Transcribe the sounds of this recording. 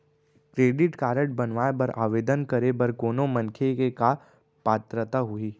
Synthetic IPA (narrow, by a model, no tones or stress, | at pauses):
kɾeːɖɪʈkaːɾə̃ʈ̚bɐnʋaːebɐɾʔa̰ːʋeːd̪ənkɐɾebɐɾkoːnomɐ̃nkʰekeka | paːt̪ɾət̪aɦʊiː